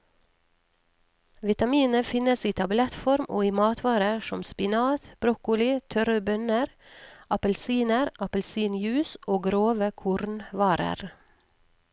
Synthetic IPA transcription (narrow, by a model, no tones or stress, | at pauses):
ʋɪt̪ɑmiːnəfɪnəsiːt̪ʰɑblɛt̪fɔɾmʔo̰ːiːmɑːt̪ʋɑːɾəʃɔmspɪnɑːt̪b̥ɾɔkʊlɪt̪ʰœɾəbœnəɾ | ʔɑpəlsiːnəɾɑpəlsiːnjʉːsʔoːɡɾoːʋəkʰʊɾnʋɑːɾə̰ɾ